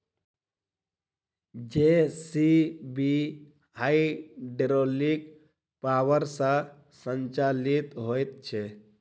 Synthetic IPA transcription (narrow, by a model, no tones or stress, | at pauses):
d͡ʒesibi | ɦaiɖeɾolik | pawəɾsə̃ | sənt͡ʃalit̪ɦojt̪̚t͡ʃʰe